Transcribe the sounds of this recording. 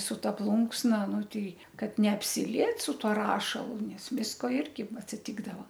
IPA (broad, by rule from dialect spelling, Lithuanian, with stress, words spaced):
sʊ ˈtɐ ˈplˠʊŋksnɐ ˈnʊ ˈtʲɛɪ ˈkɐt nʲɛɐpʲsʲɪˈlʲiɛt sʊ ˈtuɔ ˈrɑːʃɐlˠʊ ˈnʲɛs ˈʋʲɪskoː ˈɪrʲɡʲɪ ɐtʲsʲɪˈtʲɪɡdɐʋoː